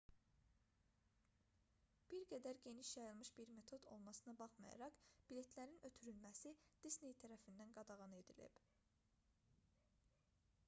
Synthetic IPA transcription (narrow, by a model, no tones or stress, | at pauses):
b̥iɾɡæd̪æɾɟe̞niʃjɑjɯlˠmɯʃb̥iɾme̞t̪ʰo̞d̪o̞̰lˠmɑsɯnɑbɑχmɑ̰jɑ̰ɾɑkb̥ile̞t̪ʰlæɾinø̞t̪ʰyɾylmæsid̪̥isne̞jt̪ʰæɾæfind̪ænɡɑd̪ɑʁɑne̞d̪ilḭb̥